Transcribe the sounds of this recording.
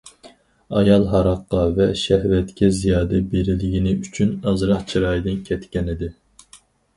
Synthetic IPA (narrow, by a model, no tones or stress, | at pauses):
ɑjɑlˠɦɑɾɑqːɑvɛʃɛhvɛt̪kʲʰɛzijɑːd̪ɛbeɾɪlɪɡʲinɪyt͡ʃʰynɑzɾɑχt͡ʃʰiɾɑːjd̪ɨnkʲʰɛt̪kʲɛnɪd̪ɪ